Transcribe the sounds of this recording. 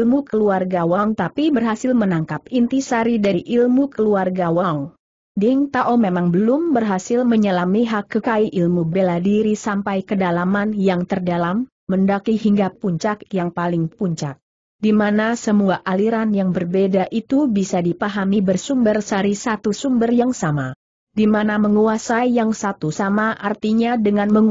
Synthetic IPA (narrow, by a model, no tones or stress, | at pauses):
lmukəluarɡawaŋt̪apibərɦasɪlmənaŋkapint̪isaɾidaɾiʔilmukəluarɡawauŋ | diŋt̪aʔomemaŋbəlʊmbərɦasɪlməɲəlamiɦakːəkaiʔilmubeladiɾisampajkədalamanjaŋt̪ərdalamː | əndakihiŋɡapuɲt͡ʃakjaŋpalɪŋpuɲt͡ʃak̚ | dimanasəmuaʔaliɾanjaŋbərbedaʔit̪ubisadipaɦamibərsumbərsaɾisat̪usumbərjaŋsama | dimanaməŋuasaijaŋsat̪usamaʔart̪iɲadəŋanmə